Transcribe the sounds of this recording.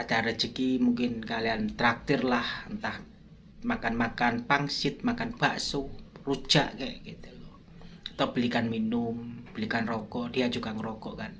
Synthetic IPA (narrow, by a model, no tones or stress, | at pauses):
at͡ʃaɾə̥d͡ʒəkimuŋkɪnkaliant̪ɾak̚t̪ɪrlahənt̪ah | makanmakanpaŋsɪt̪̚makanb̥aʔsuru̥d͡ʒ̥aʔkɛɡit̪ulɔ | at̪awb̥əlikanminʊmb̥əlikanrɔkɔʔdiad͡ʒukaŋɾɔkɔʔkan